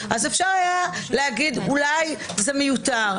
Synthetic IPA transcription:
ʔazefʃaʁajaleaɡid̪ulaj | zemejut̪aʁ

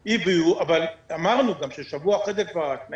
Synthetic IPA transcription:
ibiuavalamaʁnuɡamʃeʃavuaχed̪ekvaʁat̪na

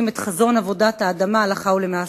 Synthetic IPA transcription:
me̞t̪χazo̞navo̞dahaːdamalaχaulemea

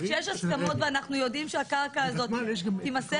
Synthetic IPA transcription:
ʃjeʃaskamo̞t̪veanaχnujo̞dimʃeakaʁkaːzo̞t̪timase

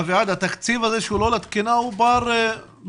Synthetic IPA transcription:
viʕad̪hat̪akt͡sivazeʃulolat̪kinaubɑɾˤ

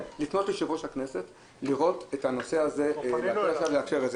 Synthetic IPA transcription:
lifnotliʃivoʃhakne̞se̞t | liʁo̞tethano̞seaze̞leaelaʃavleakʃeʁez

